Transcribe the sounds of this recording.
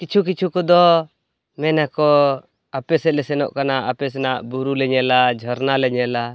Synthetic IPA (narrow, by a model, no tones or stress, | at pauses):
kit͡ʃʰuk̬it͡ʃʰukɔd̪ɔ | mɛnakɔ | apɛsɛlɛsɛnɔʔkanaʔapɛsɛnaʔbuɾulɛɲɛlad͡ʒʱɔɾnalɛɲɛla